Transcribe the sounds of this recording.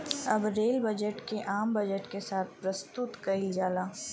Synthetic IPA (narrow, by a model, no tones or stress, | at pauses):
ɐbɾeːlbɐd͡ʒəʈkeʔaːmbɐd͡ʒəʈkesaːt̪̚ʰpɾɐst̪ʊt̪kɐɪld͡ʒaːlaː